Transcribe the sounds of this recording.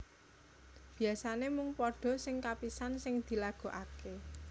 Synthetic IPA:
b̥i̤asanemʊŋpɔɖ̥ɔ̤sɪŋkapisansɪŋd̪̥i̤laɡ̥o̤ʔake

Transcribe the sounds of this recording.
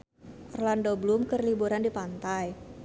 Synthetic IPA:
ʔɔrlandoblumkərlibuɾandipant̪aj

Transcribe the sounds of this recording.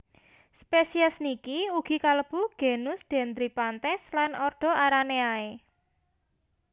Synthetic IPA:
spesiɛsnikiuɡ̥i̤kaləb̥ṳɡ̥e̤nʊsd̪̥e̤nd̪ɾipant̪ɛslanɔrɖ̪̥ɔ̤aɾaneae

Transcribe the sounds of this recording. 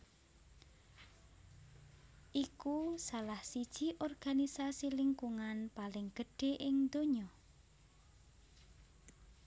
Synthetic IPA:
ʔikusalahsid̥ʒ̥iʔɔrɡ̥anisasilɪŋkuŋanpalɪŋɡ̥əɖ̥e̤ʔɪŋd̪oɲɔ

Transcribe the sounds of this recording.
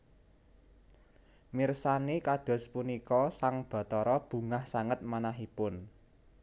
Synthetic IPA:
mirsanekad̪̥ɔ̤spunikɔsaŋb̥ɔ̤t̪ɔɾɔb̥ṳŋahsaŋət̪̚manaɦipʊn

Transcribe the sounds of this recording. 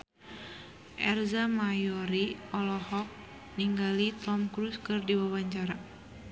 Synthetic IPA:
ʔɛrzamajɔɾiɔlɔhɔk̚ | niŋɡalit̪ɔmkɾuskɨrdiwawaɲt͡ʃaɾa

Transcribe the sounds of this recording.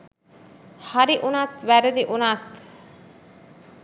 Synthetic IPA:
haɾiʔunaːt̪ʋæɾəd̪iʔunat̪

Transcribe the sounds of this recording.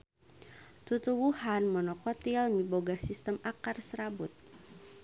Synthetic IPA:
t̪ut̪uwuhanmənɔkɔt̪ilmiboɡasist̪əmakarsəɾabut̪̚

